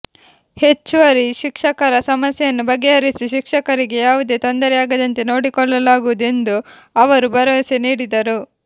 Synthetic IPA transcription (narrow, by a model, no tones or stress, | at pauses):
he̞t͡ʃːuʋɐɾiʃikʂɐkɐɾɐsɐmɐsjɐjɐnːubɐɡːeɦɐɾisiʃikʂɐkɐɾiɡe̞jaːʋud̪e̞ːt̪o̞nd̪ɐɾɛjaːɡɐd̪ɐnt̪e̞no̞ːɽikɔɭːɐlaːɡuʋud̪e̞nd̪u | ɐʋɐɾubɐɾɐʋɐseniːɽid̪ɐɾu